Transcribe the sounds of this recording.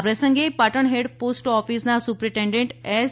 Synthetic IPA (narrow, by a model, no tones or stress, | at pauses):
pɾesə̃ŋɡepaʈəɳɦeɖpoːsʈɔːpʰisnasupɾɪ̃ʈẽːɳɖẽɳʈɛː